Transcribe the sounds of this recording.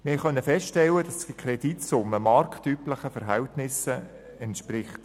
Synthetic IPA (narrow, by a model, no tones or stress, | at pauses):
mɪːχœnːəfɛstʃtɛlːəd̥ɑsdd̥ikʰrɛd̥itsʊmːəmɑrktypləχəfɛɾɦɛltnɪsə | ɛntʃpɾɪχt